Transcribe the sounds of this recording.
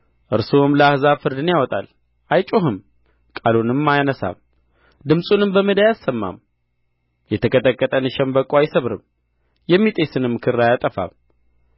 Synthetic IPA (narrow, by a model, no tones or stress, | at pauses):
ʔɨɾsomləahzafɨɾd̪ɨnjawɔt̪ʼa̰l | ʔajt͡ʃʼoɦɨm | kʼalunɨmːajanəsa̰m | d̪ɨmsʼunɨmbəməd̪ajasːəmːa̰m | jɛt̪ʰəkʰət̪ʼəkʼːət̪ʼənɨʃɛmbəkʼːoajsəβɾɨ̰m | jɛmːit̪ʼesɨnɨmːkʰɨɾːajat̪ʼəfa̰m